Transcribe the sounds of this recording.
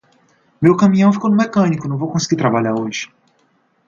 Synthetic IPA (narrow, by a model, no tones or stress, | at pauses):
mewkɐmĩɐ̃w̃fi̥kownʊmekɐ̃nikʊnɐ̃w̃vowkõsi̥ɡiɾt̪ɾabaʎaɾoʒɪ̥